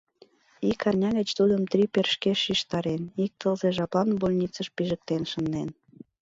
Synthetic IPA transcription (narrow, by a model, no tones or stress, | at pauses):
ikɑrnʲɑɣə̆t͡ɕt̪ulʲə̆mt̪ɾiperʃkeʃiʃt̪ɑɾenik̚t̪əlzeʒɑpɑnbolʲnʲit͡səʃpiʒə̆k̚t̪enʃə̆nd̪en